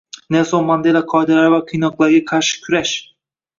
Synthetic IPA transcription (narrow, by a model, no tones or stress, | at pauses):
nesomand̪elaqʰɒjd̪alaɾvaqʰɨjnɒqlˠaɾɡʲaqʰɑɾʃɪ̥kʲʰyɾaʃ